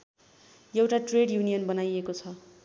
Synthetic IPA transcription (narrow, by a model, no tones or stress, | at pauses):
jewʈaʈreɽjunijʌnbʌnajekot͡sʰʌ